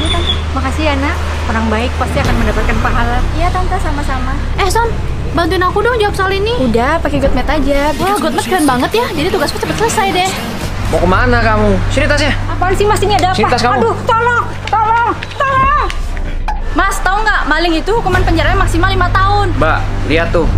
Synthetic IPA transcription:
nat̪ant̪a | makasianaʔ | oɾaŋbaɪk̚past̪iakanməndapat̪̚kanpaɦalanijat̪ant̪asamasama | ɛhsɔn | bant̪uɪnakudɔŋd͡ʒawap̚saliniudahpakeɡɔt̪̚mɛt̪ad͡ʒawahɡɔt̪̚mɛt̪̚kalanbaŋət̪jahd͡ʒadit̪uɡaskut͡ʃəpət̪sləsajdɛh | bokəmanakamuʃəɾit̪asɲaapaansimasinadapiat̪askadʊt̪olɔŋ | t̪olɔŋ | t̪ɔlɔŋ | mast̪aʊnɡaʔmalɪŋit̪uhukumanpəɲd͡ʒaɾaɲamaksimalimat̪aʊnba̰ʔ | liat̪ːʊ

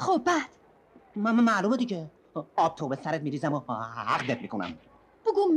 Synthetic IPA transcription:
xob̚bæd̪̥ | mæmænmæːlumed̪iɟe | ɒːb̚t̪ʰobesæɾet̪̚miːɾiːzæmohæ̰qd̪et̪̚miːkʰonæ̰m | b̥oɡum

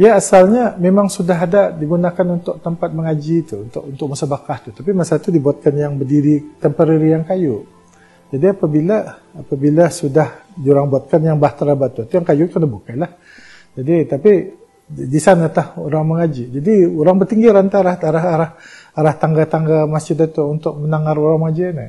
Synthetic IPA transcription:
jaːsalɲamemaŋsudaɦadaʔdiɡunakanunt̪ʊʔ̚t̪əmpat̪̚məŋad͡ʒit̪uunt̪ʊʔunt̪ʊk̚musabakaht̪ut̪apimasat̪udibuat̪̚kanjaŋbərdiɾit̪əmpəɾiɾijaŋkajʊʔ | d͡ʒadiapabilaːpabilasudahdiuɾaŋbuat̪̚kanjaŋbaht̪ɾabat̪ut̪ujaŋkajʊʔkənahbukalah | d͡ʒadit̪api | disanat̪ahuɾaŋməŋad͡ʒid͡ʒadiuɾaŋbərt̪iŋɡiɾant̪alahaɾaɦaɾahaɾaht̪aŋɡat̪aŋɡamasd͡ʒʊd̪at̪uunt̪ʊk̚mənaŋaɾuɾaŋməŋad͡ʒinə̰

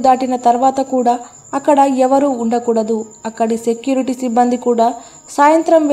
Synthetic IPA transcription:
d̪aːʈinɐt̪ɐɾʋaːt̪ɐkuːɽaː | ɐkːɐɽɐɛʋɐɾuːɳɖɐkuːɽɐd̪uɐkːɐɽise̞kjuːɾiʈisibːɐnd̪ikuːɽaː | saːjɐnt̪ɾɐmʋ

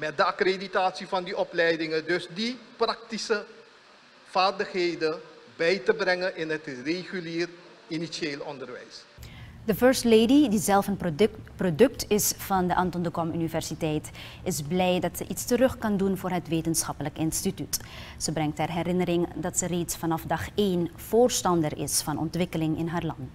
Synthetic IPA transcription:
mɛt̚dəakreditaːtsivɑndiʔɔplɛjdɪŋədɵsdiprɑk̚tisə | v̥aːrdəχɦejdə | bɛjtəbrɛŋəʔɪnɦətreχyliːr | inisieːlɔndərʋɛ̰jsdəfœɹstlejdidizɛlˠfənprodɵktɪsfɑndəʔɑntɔndəkɔmynivɛɹsitɛjt | ʔɪzblɛjdɑtsəʔitstərɵχkɑndunvʊːɹɦətʋeːtənsχɑpələkɪnstityt | səbrɛŋktɛrɦɛɾɪnəɾɪŋdɑtsəreːtsfɑnɑfdɑχeːnv̥ʊːɹstɑndərɪ̰sfɑnɔ̰ntʋɪkəlɪŋɪnɦaːɹlɑnt

